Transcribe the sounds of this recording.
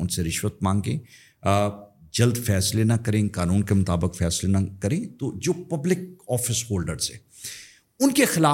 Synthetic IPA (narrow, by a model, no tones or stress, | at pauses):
ʊnseɾɪʃwət̪̚mãːŋɡḛ̃ː | d͡ʒɐld̪fɛːslenakɐɾẽːkaːnũːnkemʊt̪aːbɪkfɛːslenakɐɾẽːt̪od͡ʒoːpɐblɪk̚ɔːfɪsɦoːlɖəɾz̥ɛ̰̃ː | ʊnkexɪlaː